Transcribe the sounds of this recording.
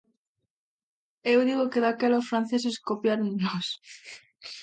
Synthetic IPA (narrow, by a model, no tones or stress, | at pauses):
ewðiɣokeðakealosfɾanθes̬e̞skopjaɾunlos